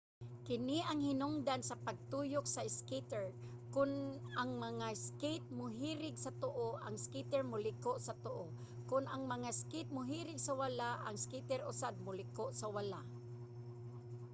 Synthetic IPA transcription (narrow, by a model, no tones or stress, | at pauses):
kɪnɪʔɐŋhɪnʊŋd̪ansɐpaɡ̚t̪uːjʊk̚saɪskit̪ɛɹ | kʊnaŋmɐŋaskejt̪̚mʊɦiːɾɪɡsɐt̪ʊʔoʔa̰ŋskit̪ɛɹmʊlɪkoʔsɐt̪ʊʔo | kʊnaŋmɐŋaskɪt̪̚mʊɦiːɾɪɡsawalaʔaŋskit̪ɛɾʊsad̪̚mʊlɪkoʔsawalaʔ